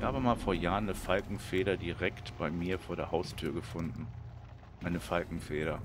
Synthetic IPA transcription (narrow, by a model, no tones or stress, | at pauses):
haːbəmaːlfoːɐjaːʁənːəfalkŋ̩feːɾɐdiʁɛktb̥aɪmiːɐfoːɐɾeːɐhaʊstʰyːɐɡəfʊndn̩ | ʔaɪnəfalkŋ̩feːɾɐ